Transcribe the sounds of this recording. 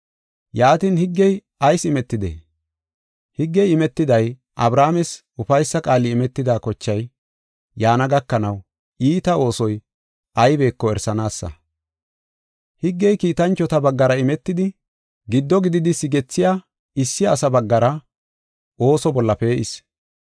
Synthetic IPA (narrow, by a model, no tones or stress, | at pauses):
jaːt̪inhɪɡːɛj | ɐjsɪmɛt̪ːɪd̪ḛː | hɪɡːɛjɪmɛt̪ːɪd̪ɐj | ʔɐbɾaːmɛs | ʊfɐjsːɐkʼaːlːɪːmɛt̪ːɪd̪aːkɔt͡ʃːɐj | jaːnɐɡɐkːɐnɐw | iːt̪ɐo̞ːsɔj | ʔɐjbe̞ːkːɔɛɾsɐnaːsːɐ̰ | hɪɡːɛjkiːt̪ɐnt͡ʃːɔt̪ɐbɐɡːɐɾɐɪmɛt̪ːɪd̪ɪ | ɡɪd̪ːɔɡɪd̪ɪd̪ɪsɪɡɛt͡sːɪjaː | ɪsːɪjːsɐbɐɡːɐɾɐ | ʔo̞ːsɔbɔlːɐpe̞ːʔɪs